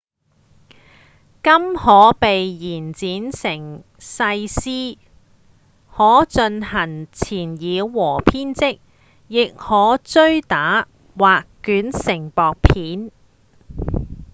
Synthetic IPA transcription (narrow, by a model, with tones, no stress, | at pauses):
kɐ˥mhɔː˨˥pe˨jjiː˨˩nt͡siː˨˥nsɪ˨˩ŋ | sɐ˧jsiː˥ | hɔː˨˥t͡sɵ˧nhɐ˨˩ŋt͡sʰiː˨˩njiː˨˧wɔː˨˩pʰiː˥nt͡sɪ˥k̚ | jɪ˨k̚hɔː˨˥t͡sɵ˥ɥt̪aː˨˥ | waː˨kː | yː˨˥nsɪ˨˩ŋpɔː˨k̚pʰiː˨˥n